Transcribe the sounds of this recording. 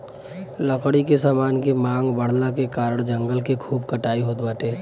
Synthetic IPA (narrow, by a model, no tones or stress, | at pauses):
ləkʰɽikesaːmaːnkemãːŋɡbəɽ̤nakekaːɾəɽ̃d͡ʒə̃ŋɡəlkekʰuːbkəʈaːiɦoːt̪baːʈeː